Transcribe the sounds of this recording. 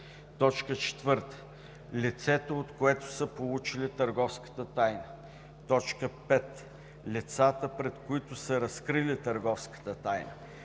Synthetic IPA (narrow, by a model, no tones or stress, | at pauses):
t̪ɔt͡ʃkət͡ʃɛ̥t̪vɤɾt̪ə̥ | lʲit̪sɛt̪oot̪koɛt̪ʊ̥səpolˠut͡ʃilit̪əɾɡɔfskə̥t̪ət̪ajnə | t̪ɔt͡ʃkəpɛt̪ | lʲit̪sat̪əpɾɛt̪koit̪ʊsəɾɐskɾilit̪əɾɡɔfskə̥t̪ət̪ajnə̰